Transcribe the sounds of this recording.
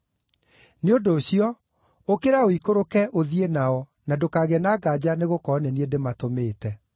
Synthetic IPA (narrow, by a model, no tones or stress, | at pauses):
neondoːɕiɔ | okeɾaoikoɾokɛʔoðienaɔ | nadokaːɣɛnaɡad͡ʑaneɣokɔnɛniedematomeːtɛ